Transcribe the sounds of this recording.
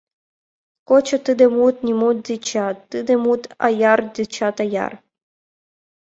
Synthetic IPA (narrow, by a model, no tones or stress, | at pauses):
kot͡ʃat̪ɨemult̪nʲimult̪̚zʲit͡ʃat̪ːɨd̪emult̪a̰jard̪ʲit͡ʃat̪aja̰r